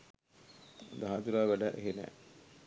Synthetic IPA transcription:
d̪aɦat̪uɾaːʋæɖaʔeɦenɛ̰ː

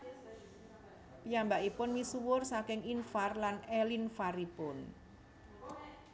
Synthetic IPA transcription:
pijambaʔipʊnmisuwʊrsakɪŋinfarlanelinfaɾipʊn

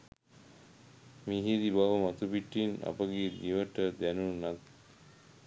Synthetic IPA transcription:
miɦiːd̪ibaʋəmat̪upiʈːina̰pəɡed̪iʋəʈəd̪ænunat̪̚

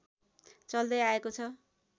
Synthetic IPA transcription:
t͡sʌld̪ʌjaekot͡sʰʌ

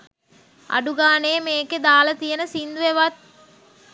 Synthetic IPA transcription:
a̰ɖuɡaːnejmeːked̪aːlət̪ijənəsind̪uʋeʋat̪̚

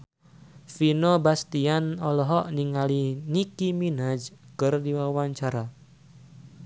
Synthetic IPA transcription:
finɔbast̪ianɔlɔɦɔʔniŋalinikiminad͡ʒkɨrdiwawaɲt͡ʃaɾa

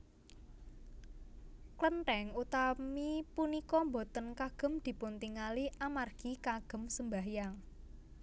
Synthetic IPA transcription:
klənʈɛŋut̪amipunikɔmbɔt̪ənkaɡ̥ə̤md̪̥i̤punt̪iŋaliʔamarɡ̥ikaɡ̥ə̤msəmbaɦjaŋ

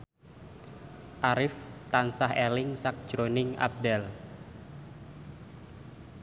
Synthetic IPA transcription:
ʔaɾɪft̪ansahelɪŋsak̚d̥ʒ̥ɾonɪŋa̰b̚dɛl

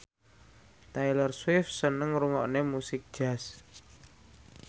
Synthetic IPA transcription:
t̪ajlərswɪfsənəŋɾuŋɔʔnemusɪk̚d̥ʒ̥as

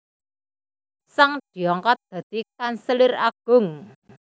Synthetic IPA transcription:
saŋd̪̥i̤ɔŋkɔt̪̚d̪̥ä̤d̪̥i̤kansəlɪraɡ̥ʊ̤ŋ

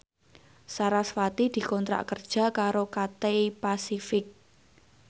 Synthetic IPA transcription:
saɾaswat̪id̪̥i̤kɔnt̪ɾa̰ʔkərd̥ʒ̥ä̤kaɾokat̪eipasifɪk̚

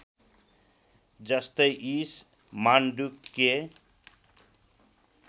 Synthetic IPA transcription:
d͡zʌst̪ʌjʔis | manɖukːe

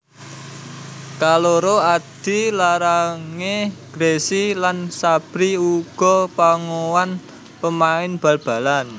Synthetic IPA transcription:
kaloɾoad̪̥i̤laɾaŋeɡ̥ɾesilansab̥ɾiuɡ̥ɔ̤paŋowan | pəmaɪnb̥ä̤lb̥ä̤lan

